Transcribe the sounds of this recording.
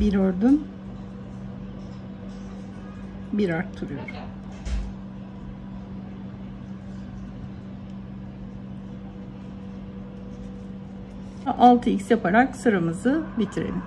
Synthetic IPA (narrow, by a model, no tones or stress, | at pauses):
biɾoɾd̪un | biɾaɾt̪ʰːuɾujo̰ɾ | aʔalˠt̪ʰɯicʲsjapʰaɾaksɯɾamɯzɯbit̪ʰiɾḛl